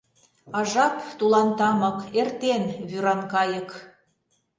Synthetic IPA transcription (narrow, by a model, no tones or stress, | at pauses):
ɑʒɑpt̪ulɑnt̪ɑmɤ̆kert̪enβyɾɑnkɑjə̆k